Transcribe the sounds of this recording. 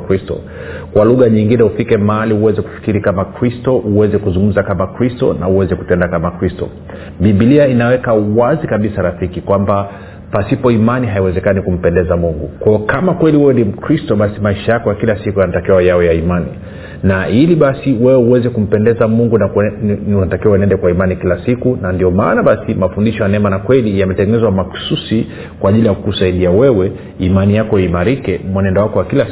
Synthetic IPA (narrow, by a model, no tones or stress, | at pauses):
kɾistɔ̰ | kwaluɣaɲiŋɡinɛufikɛmaaliuwɛzɛku̥fi̥kiɾikamakɾistɔʔuwɛzɛkuzũŋɡum̩zakamakɾistɔ̰na̰uwɛzɛku̥tɛndakamakɾistɔ̰ | ɓiɓiliainawɛkauwazikaɓisaɾafikikwamba | pasipɔimaniɦaiwɛzɛkanikum̩pɛndɛzamuŋɡukwɔːkamakwɛliwɛwɛnim̩kɾistɔɓasimaiʃajakɔjakilasikujanatakɛwajaɔjaimanḭ | nailiɓasiwɛɛuwɛzɛkum̩pɛndɛzamuŋɡunakunatakɛwaɛnɛndɛkwaimanikilasikunandiɔmaːnaɓasimafundiʃɔjanaɛmanakwɛlijamɛtɛŋɡɛnɛzwamaku̥susi | kwaːʄilijakkusaiɗiawɛwɛ | imanijakɔjimaɾikɛmwanɛndɔwakɔwakila